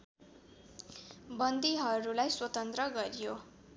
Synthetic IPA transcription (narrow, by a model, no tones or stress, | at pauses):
bʌnd̪iɦʌɾulajswʌt̪ʌnt̪rʌɡʌɾijo